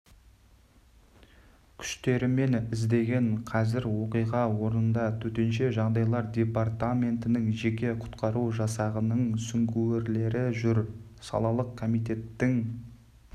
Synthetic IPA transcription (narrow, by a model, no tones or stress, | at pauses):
kʲʰʏ̥ʃt̪e̞ɾɪme̞nɪzd̪e̞ɡʲe̞ɴqʰɑzɪɾwo̞qijʁɑwo̞ɾənənd̪ɑt̪ʰɵt̪e̞nʃe̞ʒɑʁd̪ɑjlˠɑɾd̪ʲe̞part̪amʲe̞nt̪ɪnɪŋʒe̞kʲe̞qʰʊ̥t̪qɑɾuwʒɑsɑʁənəɴsʏŋɡʲueɾle̞ɾɪʒʏɾsɑ̰lˠɑlˠəqʰːo̞mijt̪e̞t̪ːɪŋ